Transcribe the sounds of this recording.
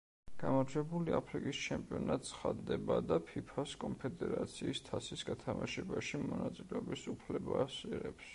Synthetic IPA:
ɡ̥amɔɾd͡ʒɛbuliapʰɾikʼist͡ʃʰɛmpʼiɔnat̪sχad̪d̪ɛbad̪apʰipʰaskʼɔmpʰɛd̪ɛɾat̪sʰiːst̪ʰasisɡat̪ʰamaʃɛbaʃimɔnat̪sʼilɛɔbisupʰlɛbasiɾɛps

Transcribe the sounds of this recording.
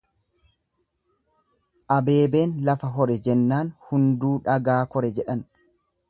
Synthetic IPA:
ʔɐbe̞ːbe̞ːnlɐfɐɦɔɾɛd͡ʒɛnːaːnhʊnd̪uːᶑɐɡaːkɔɾɛd͡ʒɛᶑɐn

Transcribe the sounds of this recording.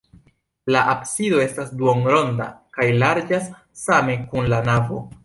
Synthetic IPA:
laʔapsido̞e̞stasduoŋɾo̞nda̰kajlaɾd͡ʒasː | ame̞ŋkunlanavo̞̰

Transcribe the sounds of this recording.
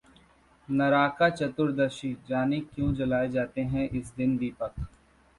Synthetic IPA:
nɐɾaːkat͡ʃɐt̪ʊɾd̪ɐɾʃid͡ʒaːnekjõːd͡ʒɐlaːed͡ʒaːt̪eɦɛ̃ʔɪsd̪ɪnd̪iːpək

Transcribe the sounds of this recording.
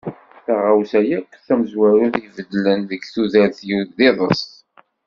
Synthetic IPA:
θaʁawsæjækʷːθæməzwæɾʊθivəd̪lənðəɡθuðæɾθjuðɪðˤəs

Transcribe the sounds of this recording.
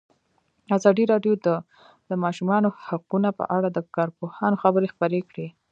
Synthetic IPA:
azɑd̪iɾɑɖjod̪ə | d̪̥əmɑʃumɑnohaqunapə̰ʔaɽad̪əkɑɾpohɑnoxabəɾexpəɾekɽe

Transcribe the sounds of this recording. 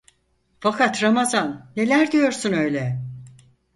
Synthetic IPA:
fakʰat̪ɾamazanːe̞lʲæɾd̪ijo̞ɾsunø̞jlʲɛ

